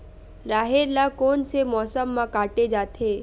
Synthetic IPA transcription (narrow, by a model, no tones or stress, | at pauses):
ɾaːɦeɾlakoːnsemɔːsəmːãkaːʈed͡ʒaːt̪ʰeː